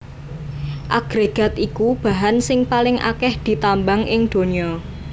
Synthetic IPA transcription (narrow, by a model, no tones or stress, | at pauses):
ʔaɡ̥ɾeɡ̥a̤t̪ikub̥a̤ɦansɪŋpalɪŋʔa̰kɛhd̪̥i̤t̪ambaŋʔɪŋd̪̥o̤ɲiɔ